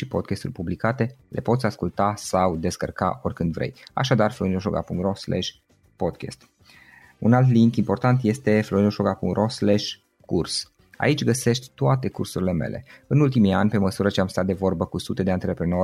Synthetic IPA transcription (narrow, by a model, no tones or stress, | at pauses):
ʃipo̞d̪̚kʲest̪urʲpublikat̪e̞lʔe̞̰po̞t̪sʲaskult̪asawd̪e̞skərka̰ʔo̞rʲkɨnd̪vɾe̞̰ja̰ʃad̪arfloɾinoʃoɡa̰puŋɾoslḛʃ | pod̪kʲḛst̪ | unalt̪liŋkimpo̞rt̪ant̪je̞st̪e̞flo̞ɾinoʃoɡapṵŋrʔosleʃ | kurs | a̰it͡ʃʲɡəse̞ʃt̪ʲt̪oat̪e̞kursuɾile̞me̞̰lʔe̞̰ɨnult̪̬imia̰nʲpe̞məsuɾət͡ʃeamst̪at̪̚d̪e̞vo̞rbəkusut̪e̞d̪e̞ant̪ɾe̞pɾeno